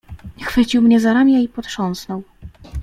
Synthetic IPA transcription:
xfɘt͡ɕiwmɲɛzaɾamʲjaipɔt̪ʂɔnsnɔw

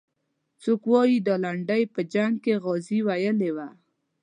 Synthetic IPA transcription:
t͡sokwɔjid̪ɑlaɳɖajpəd͡ʒaŋɡ̚keɣɔziwajəlewa

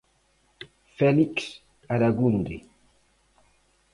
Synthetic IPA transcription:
fɛliks | aɾaɣund̪e

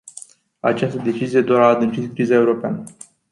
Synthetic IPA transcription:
a̰t͡ʃast̪əd̪e̞t͡ʃizije̞d̪oɾaːd̪ɨnt͡ʃit̪kɾizaeuɾo̞pea̰nə

